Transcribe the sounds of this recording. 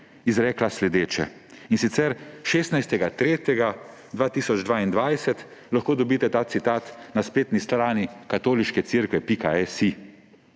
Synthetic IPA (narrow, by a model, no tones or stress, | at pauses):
izɾɛːklaslɛd̪eːt͡ʃɛ̰ | insit̪sɛɾʃeːst̪najst̪ɛɡat̪ɾeːt̪jɛɡa | d̪ʋaːt̪iːsɔd͡ʒd̪ʋaːind̪ʋajsɛt̪laxkoːd̪ɔbiːt̪ɛt̪aːt̪sit̪aːt̪naspeːt̪nist̪ɾaːnikat̪oːliʃkɛt̪siɾkʋɛpikaɛsi